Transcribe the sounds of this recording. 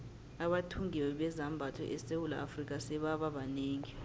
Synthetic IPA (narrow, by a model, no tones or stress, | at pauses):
aɓatʰuŋiwɛɓɛzambʱatʰɔ̰ʔɛsewula̰afrik̬ʼasɛɓaɓaɓaneːŋi